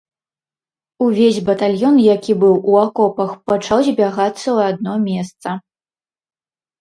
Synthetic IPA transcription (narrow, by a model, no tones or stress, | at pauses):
uvʲezʲbɐt̪alʲjɔnjakʲibɨwʔuakɔpɐxpɐt͡ʂawzʲbʲaɣat̪sːɐwad̪̚nɔmʲɛst̪sɐ